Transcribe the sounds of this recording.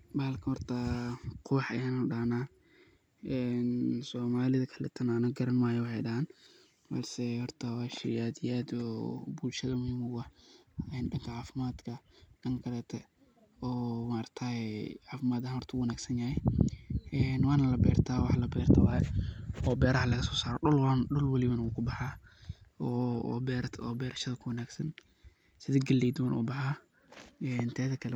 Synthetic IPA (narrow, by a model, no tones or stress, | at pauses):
baːlkʰɐhɔrt̪ʰɐqʰʊwħɐjanɐɖaːnaː | ʔɛːnsɔːmaːlɪðɐkʰɐlɛ̰ːt̪ʰɐnaːnɐɡɐɾɐnmaːjɛwʊħɑjɖɐhaːn | bɐ̰lsɛhɔrt̪ʰɐwɑːʃɪjaːd̪ɪjaːd̪ɔ̰ːbuːlʃɐðɐmʊhiːmʊɐɛːnɖɐŋkʰɐʕɑːfɪmaːd̪kʰɐɖɐŋkʰɐlɛːt̪ʰɛ | ɔːmaɐrt̪ʰaːɛʕaːfɪmaːd̪ɐhmɐrt̪ʰuwɐnaːɡsɐnjaːhɛ | ɛːnwɑːnɐlɐbɛ̰ːrt̪ʰaːwɑħlɐbɛːrt̪ʰɐwaːjɐɔːbɛːɾɐhɐlɐɣɐsɔ̥ːsaːɾɔ̰ːɗɔlwlɐnɗɔlwɐlɪβɐnɐwuːkʰʊbɑħaː | ɔ̰bɛːɾt̪ʰɔːbɛːɾɐʃɐðɐkʰʊwɐnaːɡsɐn | sɪðɐɡɐlːɛjd̪wɐnʔɔ̰ːbɑħaː | ɛnt̪ʰɛːðɐkʰɐlɛ